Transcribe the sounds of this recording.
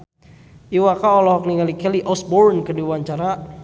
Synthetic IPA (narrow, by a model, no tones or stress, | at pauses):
iwakaɔlɔɦɔk̚niŋalikɛliʔɔsbɔɾnkədiwaɲt͡ʃaɾa